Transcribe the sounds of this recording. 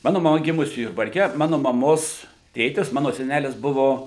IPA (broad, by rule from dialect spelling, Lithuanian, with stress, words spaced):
ˈmɑːnʊ mɐˈmɐ ˈɡʲɪmʊsʲɪ jʊrbɐrʲˈkʲɛ ˈmɑːnʊ mɐˈmoːs ˈtʲeːtʲɪs ˈmɑːnoː sʲɛˈnʲælʲɪs ˈbʊʋoː